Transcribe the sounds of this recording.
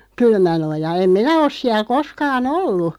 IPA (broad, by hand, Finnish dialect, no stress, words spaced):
kylmænojɑ em minæ os siæl̆ koskɑːn olːu